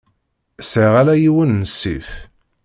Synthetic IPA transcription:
səʁælæjiwənːəsːḭf

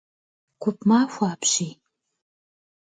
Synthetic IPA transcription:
kʷʰʊpʰmaːfʷaːpʰʃij

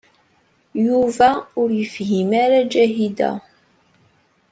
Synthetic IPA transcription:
juvæʊɾjəfɦimaɾad͡ʒæɦid̪æ̰

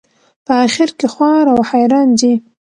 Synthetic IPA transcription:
pəaxɪɾkexwɑɾawhajɾɑnd͡ʒi

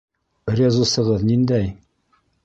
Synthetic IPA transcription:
bɘɾjɑzusɤ̆ʁɤðnind̪æj

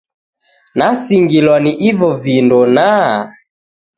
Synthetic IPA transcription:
nasiŋɡilwaniʔivɔvindɔna

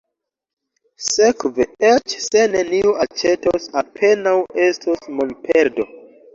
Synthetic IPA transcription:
se̞kveet͡ʃse̞ne̞niuʔat͡ʃe̞tosapʰe̞nawe̞stʰosmonpʰe̞ɾdo̞

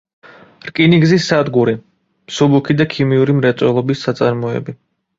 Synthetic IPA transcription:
ɾkʼiniɡzisːad̪ɡuɾi | msubukʰid̪akʰimiuɾimɾɛt̪sʼwɛlˠɔbisːat̪sʼaɾmɔɛ̰bi

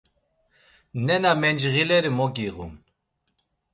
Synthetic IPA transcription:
nɛnamɛnd͡ʒɣilɛɾimɔkʼiɣṵn

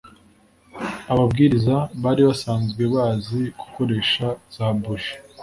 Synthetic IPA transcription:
aβabɡiːɾizaβaːɾiβasaːnzɡwe̞βaːziɡ̥uko̞ɾe̞ːʃaz̥abuʃi̥

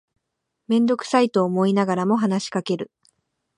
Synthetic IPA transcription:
mẽ̞nd̪o̞kɯ̟̥sait̪o̞ːmo̞inaɡaɾamo̞ɦanaɕi̥kake̞ɾɯ̟

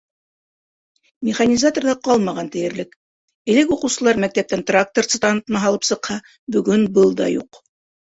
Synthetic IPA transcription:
mʲɪχanʲizat̪orðɑqɑlˠmɑʁɑnt̪ɘ̆jɘ̆ɾlɘk | ɘ̆lɘkuqɤ̆wsɤ̆lˠɑɾmæk̚t̪æp̚t̪ænt̪rak̚t̪ort̪sɨt̪ɑnɤt̪mɑɦɑlˠɤpsɤ̆qhɑ | bɵ̆ɡɵnbɤlˠd̪ɑ̰jṵq

